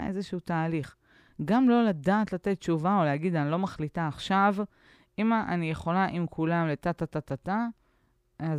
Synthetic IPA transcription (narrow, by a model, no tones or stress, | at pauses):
ʔḛzeʃeutaːliχ | ɡamlo̞ladaːt̪lat̪et̪̚t͡ʃuvao̞leaɡid̪anilo̞maχlitaːχʃav | ʔimaʔanijeχo̞laʔimkʰulamlet̪at̪atat̪ata | a